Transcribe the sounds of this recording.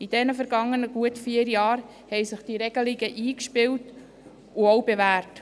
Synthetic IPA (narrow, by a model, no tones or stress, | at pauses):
id̥ɛnəfəɾɡɑŋːənəɡ̥uətfiːəɾjɑːɾ | hɛjsɪχd̥iɾɛɡəliɡəʔiːkʃpɪwt | ʊowbevæːɾt